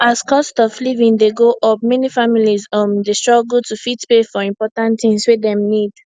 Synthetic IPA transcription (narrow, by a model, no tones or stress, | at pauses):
askɔstɔvlivĩndeɡoʔɔp̚mɛnifamilizʌmdestɹ̥ɔɡɡutufitpefɔĩmpɔtãntθĩŋswedɛ̃mnid̥